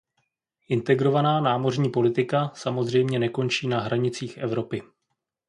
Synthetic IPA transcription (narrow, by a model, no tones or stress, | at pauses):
ʔɪnt̪ɛɡɾo̞vanaːnaːmo̞rɲiːpo̞lɪt̪ɪkasamo̞zr̝ɛjmɲɛnɛko̞nt͡ʃiːnaɦɾaɲɪt͡siːxʔɛvɾo̞pɪ